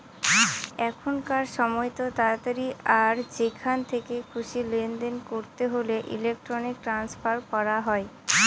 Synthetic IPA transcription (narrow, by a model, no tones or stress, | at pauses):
ɛkʰonkaɾʃɔmɔjt̪ot̪aat̪aɾiaɾd͡ʑekʰant̪ʰekekʰuʃilend̪enkoɾt̪eɦoleʔḭlek̚ʈɾonik̚ʈɾanspaɾkɔɾaɦɔe